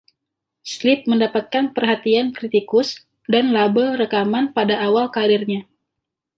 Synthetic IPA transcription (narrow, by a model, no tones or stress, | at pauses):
slɪt̪̚məndapat̪̚kanpərɦat̪iankɾit̪ikʊs | danlabəlrəkamanpadaʔːwalkaɾɪrɲa